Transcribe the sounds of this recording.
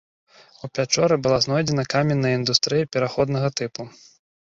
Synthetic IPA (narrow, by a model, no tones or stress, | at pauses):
upʲat͡ʂɔɾɨbɨlˠaznɔjd͡zʲɛnɐkamʲɛnːɐjind̪ust̪ɾɨjɐpʲɛɾaxɔd̪nɐɣɐt̪ɨpu